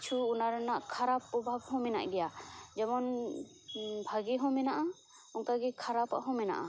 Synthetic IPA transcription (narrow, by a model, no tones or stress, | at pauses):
t͡ʃʰuːnaɾɛnaʔkʰaɾapːɔbʱabhɔ̃mɛna̰ʔɡɛjad͡ʒɛmɔn | bʱaɡiɦɔ̃mɛnaʔa | ɔŋkaɡɛkʰaɾapa̰ʔɦɔ̃mɛna̰ʔa